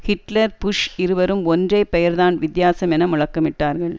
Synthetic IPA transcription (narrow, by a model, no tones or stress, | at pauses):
hɪʈlɐɾpʊʂɪɾɯʋɐɾɯmɔndrɐɪpːɛjɐɾðaːnʋɪd̪jaːsɐmɛnɐmʊɻɐkːɐmɪʈːaːɾɣɐɭ